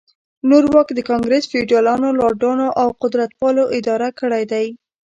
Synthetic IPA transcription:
noɾwɑkd̪əkɑŋɡɾesfɪɖijɑlɑnolɑɖɑnoʔawqʊd̪ɾat̪pɑloʔɪd̪ɑɾakəɽajd̪aj

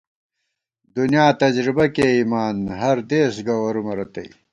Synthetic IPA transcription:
d̪unjaːt̪ɐd͡ʑɾibɐkeːiːmaːnɦɐɾd̪eːsɡɐwɐɾumɐɾɐt̪ɐḭ

